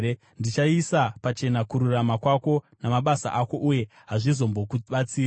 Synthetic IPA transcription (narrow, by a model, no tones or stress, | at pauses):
ndit͡ʃaisapat͡ʃe̞nakuɾuramakwako̞ | namaɓasa̰ʔako̞ʔuje̞ | ɦaʐizo̞mbo̞kuɓat͡siː